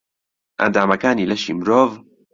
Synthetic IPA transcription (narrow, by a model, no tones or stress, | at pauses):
ʔa̰nd̪aːmɐkaːniːlɐʃiːmɾoːv